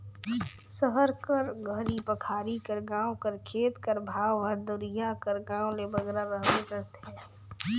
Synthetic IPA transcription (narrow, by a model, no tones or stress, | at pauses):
səɦəɾkəɾɡʱəɾipəkʰaːɾikəɾɡaːwkəɾkʰeːt̪kəɾbʱaːwɦəɾd̪ʊɾɪjakəɾɡaːwlebəɡɾaɾəɦbeɾət̪ɦɛ̃ː